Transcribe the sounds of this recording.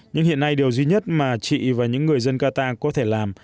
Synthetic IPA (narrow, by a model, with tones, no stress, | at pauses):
ɲɨ̰˧˥ŋhḭ˧˨ənːa˧jɗi˨˩əwzwi˧ɲə˦˥t̚maː˨˩t͡ɕḭ˧˨vaː˨˩ɲɨ̰˧˥ŋːɨ˨˩əjzə˧nkaː˧t̪aː˧kɔ˨˦t̪ʰe˧˩laː˨˩m